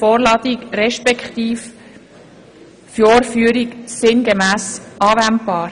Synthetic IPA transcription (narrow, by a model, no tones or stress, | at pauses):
fɔːɾlɑːd̪ikɾɛʃpɛkχt̪iːf | fjoːɾfyːəɾiksɪnɡɛmæːsʔɑːvæntb̥ɑːɾ